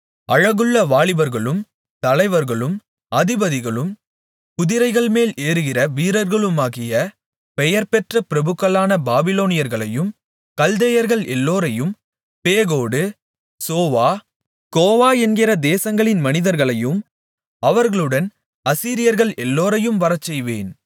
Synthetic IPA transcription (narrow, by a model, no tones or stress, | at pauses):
ʔɐɻɐɣɯɭːɐʋaːɭɪʋɐɾɣɐɭɯm | t̪ɐlɐɪʋɐɾɣɐɭɯm | ɐðɪbɐðɪɣɐɭɯm | kʊðɪɾɐɪɣɐɭmeːleːɾɯɣɪrɐʋiːɾɐɾɣɐɭɯmaːɣɪjɐ | pɛjɐɾpɛʈrɐpɪɾɐbɯɣɐlaːnɐbaːbɪloːnɪjɐɾɣɐɭɐjɯm | kɐld̪ejɐɾɣɐɭɛlːoːɾɐjɯm | peːɣoːɽɯ | soːʋaː | ɡoːʋaːɛnɡɪrɐd̪eːsɐŋɡɐɭɪnmɐnɪðɐɾɣɐɭɐjɯm | ɐʋɐɾɣɐɭɯɽɐn | ɐsiːɾɪjɐɾɣɐɭʔɛlːoːɾɐjɯmʋɐɾɐt͡ʃːɛjʋḛːn